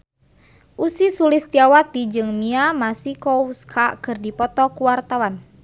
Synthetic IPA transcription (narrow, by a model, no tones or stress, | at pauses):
ʔusisulist̪iawat̪id͡ʒɨŋmiamasikɔuskʰakɨrdipɔt̪ɔkuwart̪awan